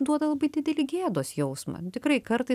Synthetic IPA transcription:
d̪uɔd̪ɐlˠɐbɐɪd̪ʲɪd̪ʲɛlʲiːɡʲeːd̪oːsjɛʊsmɐ̰t̪ʲɪkrɐɪkɐɾt̪ɐɪ

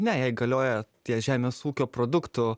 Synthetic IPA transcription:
nʲɛjɛɪɡɐlʲoːjɛt̪ʲiɛʒʲæːmʲeːsuːkʲoːpɾoːd̪ʊkt̪ʊ

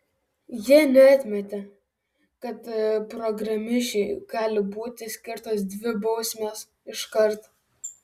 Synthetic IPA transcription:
jiɛnʲɛɑt̪ʲmʲɛt̪ʲe | kɐt̪pɾɔɡɾɐmʲɪʃʲɛɪɡ̥ɑːlʲɪbuːt̪ʲɪsʲkʲɪɾt̪oːsd̪ʲʋʲɪbɒʊsʲmʲeːs | ɪʃkɐɾt̪

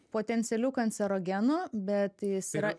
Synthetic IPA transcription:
poːt̪ʲɛnʲt̪sʲɛlʲuːkɐnʲsʲɛɾoːɡʲɛnubʲɛt̪jɪsiːɾɐ

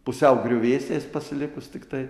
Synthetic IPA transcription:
pʊsʲɛʊɡɾʲʊʋʲeːsʲt̪ʲeːspɐsʲɪlʲɪkʊst̪ʲɪkt̪ɐɪ

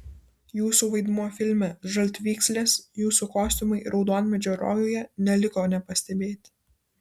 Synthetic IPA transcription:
juːsuːˑʋɐɪd̪muɔfʲɪlʲmʲɛʒɐlʲt̪ʲʋʲiːksʲlʲeːsjuːsukoːsʲt̪ʲʊmɐɪɾʔɒʊd̪oːnʲmʲɛd͡ʒʲoɾo̰ːjoːjɛnʲɛlʲɪkoːnʲɛpɐsʲt̪ʲɛbʲeːt̪ʲ

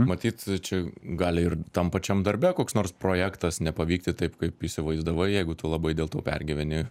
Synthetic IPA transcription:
mɐt̪ʲiːt̪t͡ʃʲɛɡɑːlʲɪɪrt̪ɐmpɐt͡ʃʲɛmd̪ɐɾʲbʲɛkoːksnoːrspɾoːjæːkt̪ɐsnʲɛpɐʋʲiːk̚t̪ʲɪt̪ɐɪpkɐɪpisʲɪʋɐɪzd̪ɐʋɐɪjɛɪɡʊt̪ʊlˠɐbɐɪd̪ʲeːlˠt̪oːpʲɛ̰rʲɡʲɪʋʲɛnʲɪ

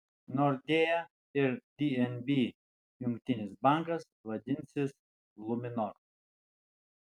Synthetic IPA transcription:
nɔɾd̪ʲejɛ | ɪɾd̪ʲiɛnbʲi | jʊŋkt̪ʲɪnʲɪsbaŋkɐs | ʋɐd̪ʲɪnʲsʲɪs | lˠʊmʲɪnɔɾ

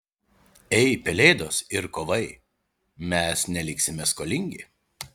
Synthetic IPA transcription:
ɛɪpʲɛlʲɛɪd̪oːsɪɾkoːʋɐɪ | mʲɛsnʲɛlʲɪksʲɪmʲɛskoːlʲɪŋʲɡʲɪ

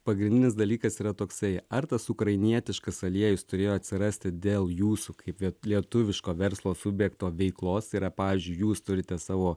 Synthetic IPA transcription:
pɐɡɾʲɪnʲd̪ʲɪnʲɪsd̪ɐlʲiːkɐsiːɾɐt̪oːksɐɪɐrt̪ɐsʊkɾɐɪnʲiɛt̪ʲɪʃkɐsɐlʲiɛjʊst̪ʊɾʲeːjoːɐt̪ʲsʲɪɾɐsʲt̪ʲɪd̪ʲeːlˠjuːsukɐɪplʲɛlʲiɛt̪ʊʋʲɪʃkoːʋʲɛɾslˠoːsʊbʲjɛkt̪oːʋʲɛɪklˠoːsiːɾɐpɑːʋʲiːzʲd͡ʒʲʊɪjuːst̪ʊɾʲɪt̪ʲɛsɑːʋoː

